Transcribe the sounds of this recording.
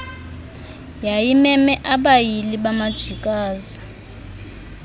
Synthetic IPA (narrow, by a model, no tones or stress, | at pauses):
jajimɛmɛʔaɓajiliɓamad̥ʒ̥ʱikʼaːzi